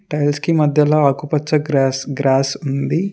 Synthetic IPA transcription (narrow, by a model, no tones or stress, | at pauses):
ʈɐjlskimɐd̪ʱjɐlaːɐkupɐt͡ʃːɐɾsɡɾaːsund̪i